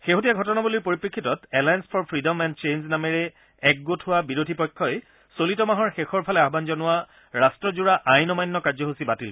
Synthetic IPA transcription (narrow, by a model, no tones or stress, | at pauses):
xeɦotijaɡʱɔtɔnabuliɹpoɹipɹikʰːitɔtɛlajanspʰɔɹpʰɹidɔmɛnt͡ʃenznamɛɹɛ | ɛk̚ɡotʰɦʊwabiɹodʱipɔjkʰːɔj | solitɔmaɦɔɹxexɔɹpʰalɛaɦɔbanzɔnʊa | ɹastɹɔzuɹaʔajnɔmajnːɔkaɹzɔɦusibatil